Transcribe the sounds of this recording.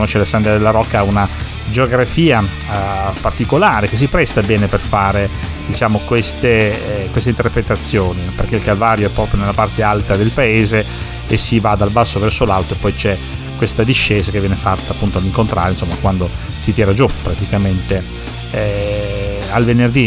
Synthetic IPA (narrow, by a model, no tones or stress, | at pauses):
noʃːelasand̪ɾad̪elːaɾɔkːauna | d͡ʒeoɡɾafiːa | part̪ikolaːɾekes̬ːipɾɛst̪abɛːneperfaːɾe | d̪it͡ʃaːmokwest̪ekwest̪eint̪erpɾet̪at̪sːjoːniperkeilkalvaːɾjoɛpːɾɔːpɾjonelːapart̪ealt̪ad̪elpaeːze | esivad̪albasːovɛrsolalt̪oepːɔjt͡ʃɛ | kwest̪ad̪iʃːeːzakevːjɛːnefat̪ːaːpːunt̪oalːiŋkont̪ɾaːɾeinsomːakwand̪o | sit̪iɛːɾad͡ʒupɾat̪ikament̪e | alvenerd̪i